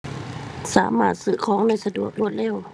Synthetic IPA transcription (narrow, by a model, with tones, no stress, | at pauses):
sa̰ː˨˩˦maː˧˩t̪̚sɯ˧˩kʰɔː˨˦ŋnaː˧˥˨jsa˧du˨˩ək̚lu˧˩ət̪̚lɛː˧˥˩w